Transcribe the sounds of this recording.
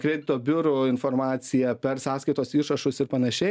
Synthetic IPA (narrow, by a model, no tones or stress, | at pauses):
kɾʲɛɪd̪ʲɪt̪oːbʲʊɾʊɪnfoːɾmɑːt̪sʲɪjɛpʲɛɾsɑːskɐɪt̪oːsiːʃɐʃʊsɪɾpɐnɐʃʲɛɪ